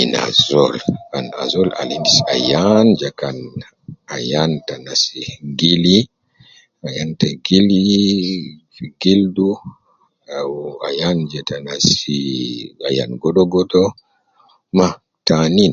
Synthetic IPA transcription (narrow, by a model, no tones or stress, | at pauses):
ina̰zɔlkana̰zɔla̰lindisa̰jand͡ʒɛkan | ajantanasiɡeli | ajantaɡili | ɡeldu | awa̰jand͡ʒɛtanasiaja̰nɡɔɗɔɡɔdɔ | ma | tanin